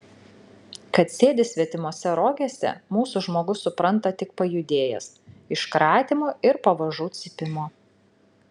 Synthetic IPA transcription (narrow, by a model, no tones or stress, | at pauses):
kɐt̪sʲeːd̪ʲɪsʲʋʲiɛt̪ʲɪmoːsʲɛɾoːɡʲesʲɛ̰muːsuʒmoːɡʊsːʊpɾɐnˑt̪ɐt̪ʲɪk̚pɐjʊd̪ʲeːjɛ̰s | ɪʃkɾɑːt̪ʲɪmoːɪɾpɐʋɐʒuːt̪sʲɪpʲɪmoː